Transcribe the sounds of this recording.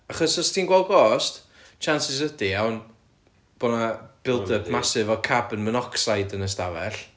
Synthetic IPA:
aχɔsɔstʰiːnɡwɛlˠɡɔːst | t͡ʃʰansɪs̬ədijawn | b̥onab̥ɪlˠdəbmasɪvɔkʰabənmənɔksajdənəstavɛɬ

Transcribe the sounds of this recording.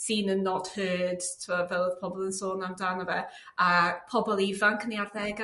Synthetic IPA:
siːnənːɔd̥høːd̥tʰmɔvɛlˠpʰɔbɔlˠənsoːnamdanəvɛ | apʰɔbɔlˠivankʰəniarðɛɡ

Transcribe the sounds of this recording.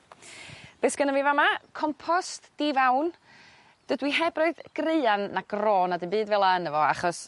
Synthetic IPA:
b̥eːsɡ̥ənəvivamakʰɔmpʰɔstd̥ivawn | d̥ədwiɦɛbrɔɨðɡ̥reɨanːaɡ̥roːnadɨnmbɨːdvɛlˠaənəvɔa̰χɔs

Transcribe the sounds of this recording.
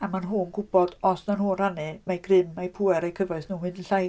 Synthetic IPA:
amanɦuːnɡʊbɔd̥ɔsnɔnhuːnanɨmajɡrɪmːajpʰuːɛɾejkʰəvɔɨθnuːmwɨnnɬaj

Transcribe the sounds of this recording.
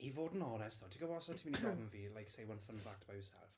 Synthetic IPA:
ivoːdn̩ɔnɛstðɔtʰiɡowɔsɔtʰimɪnibɔvə̃nviːlajksejwʌ̃nfə̃nbak̚tʰb̥ajəsɛ̰lˠf

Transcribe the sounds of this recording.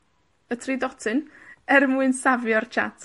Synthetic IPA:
ətʰridɔtʰɨnɛrmuɨnsavjɔrt͡ʃʰa̰tʰ

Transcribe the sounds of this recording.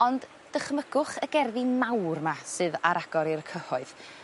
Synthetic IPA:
ɔnd | d̥əχməɡʊχəɡɛrðimawrmasɨðaɾaɡ̥ɔɾirkʰəhɔɨð

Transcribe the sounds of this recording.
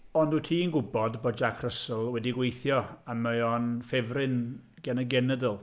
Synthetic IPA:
ɔndutʰiːnɡʊbɔdboːd̚d͡ʒakʰrəsəlˠwɛdiɡwejθjɔaməɔnfɛvrɪnɡ̥ɛnəɡɛnədəlˠ

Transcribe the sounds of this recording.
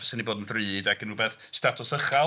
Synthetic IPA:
səniboːdənvrɨːdaɡənuːbeːθ | statʰʊsəχa

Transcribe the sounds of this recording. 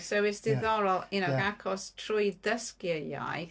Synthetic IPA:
sɛwɪsdɪðɔɾɔlˠɪnəɡakʰɔstʰrʊjdəskiəja̰j

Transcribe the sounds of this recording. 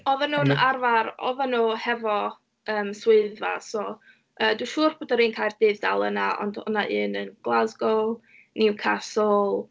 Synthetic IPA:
ɔvənuːnarvaɾɔ̰vanoːhɛvɔ | əːmswɪɨðva̰soː | əːduːʃuːrb̥oːdəɾiːnkʰaːjrd̥ɪːvd̥alˠənaʔɔ̰ndʊ̰naʔɨːnənɡ̥lˠazɡɔlˠ | nɪwkʰasɔlˠ

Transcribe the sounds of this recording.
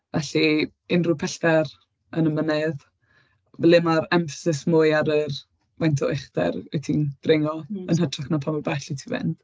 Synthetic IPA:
vɛɬi | ɪnrʊpʰɛɬtɛr | ənəmənɛð | vlɪmaɾɛmfə̥sɪsmʊjaɾər | mantʰɔ̰ɪχdɛ̰ɾ̰tʰind̥rɪŋɔənhətʰraχnapʰamɔbɛɬitʰivɪ̰nd̥

